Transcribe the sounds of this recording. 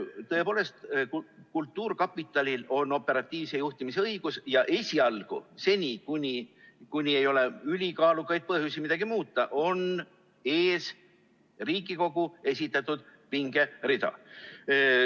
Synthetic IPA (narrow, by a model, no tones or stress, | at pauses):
t̪ɤ̞e̞po̞ːle̞st̪kkult̪ˑːuːrkɑpːˑit̪ːˑɑlʲilo̞nːo̞pːˑe̞ɾɑt̪ʲːˑiːvsejuht̪imiseɤjɡ̥usjɑʔe̞sʲiɑlɡ̥ṵse̞nʲikunʲikunʲiejo̞le̞ylʲikɑːlukːˑɑjd̪̥̚pɤhjusimid̪ɑɡ̥imuːt̪ːˑɑʔo̞n | e̞ːs | riːɡiko̞ɡ̥ue̞s̬ʲit̪ːˑɑt̪ːud̪̥piŋɡ̥e̞rid̪̥ɑ̰